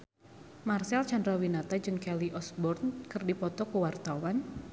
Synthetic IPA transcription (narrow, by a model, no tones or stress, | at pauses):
marsɛlt͡ʃandɾawinat̪ad͡ʒɨŋkɛliʔɔsbɔrnkɨrdipɔt̪ɔkuwart̪awan